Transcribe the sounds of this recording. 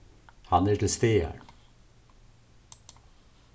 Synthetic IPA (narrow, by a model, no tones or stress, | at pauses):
hɑnæːʈʰl̩st̪eːə̰ɳ